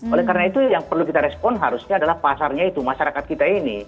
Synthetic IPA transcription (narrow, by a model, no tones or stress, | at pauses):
olɛhkaɾənait̪ujaŋpərlukit̪aɾɛspɔnɦaɾusɲaːdalahpasarɲait̪umaʃaɾakat̪kit̪ainḭ